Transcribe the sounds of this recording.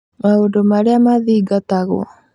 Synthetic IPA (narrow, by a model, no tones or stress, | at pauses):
maondomaɾeamaðiːɡat̪aɣw̰ɔ̰